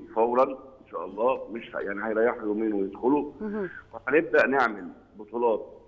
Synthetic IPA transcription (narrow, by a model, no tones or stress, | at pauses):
fæwɾˤɑnenʃæːʔɑlˤːɑːmeʃhæ̰jaʕnihæjɾˤɑjːeħjumiːnwejed̪xʊluwɪħæneb̚d̪æʔneʕmel | bot̪ˤuːlɑːt̪̚